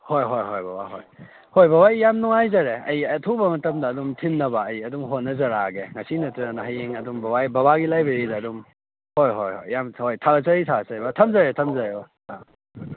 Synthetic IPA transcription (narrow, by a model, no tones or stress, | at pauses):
hojɦojɦojbɐba̰ɦo̰j | hojbɐbajːamnuŋajzɐɾeɐjɐtʰubɐmɐtɐmdɐːdumtʰinːɐbɐːjɐdumɦonːɐzɐɾaɡeŋasinɐtiɾɐnɐɦajeŋɐdumbɐbajbɐβaɡilajbeɾidɐːdum | hojɦojho̰jːamhojtʰaɡɐsɐɾitʰaɡɐsɐɾbɐtʰɐmzɐɾetʰɐmzaɾebɐ | a